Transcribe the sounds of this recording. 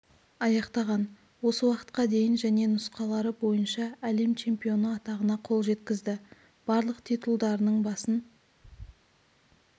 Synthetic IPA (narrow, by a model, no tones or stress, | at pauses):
ɑjɑqt̪ɑʁɑn | wo̞səwɑqə̥t̪̚qɑd̪e̞jɪnʒæne̞nʊsqɑlˠɑɾəbo̞jənʃɑæle̞mt͡ʃʰe̞mpijo̞nəɑt̪ɑʁənɑqʰo̞lˠʒe̞t̪kʲɪzd̪ɪ | b̥ɑɾlˠəqt̪ʰit̪ulˠd̪ɑɾənəɴbɑsən